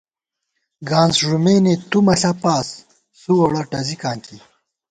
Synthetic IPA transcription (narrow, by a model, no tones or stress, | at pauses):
ɡaːnzʐumeːnet̪umɐɬɐpaːsː | uwɐɽɐʈɐzikaːŋki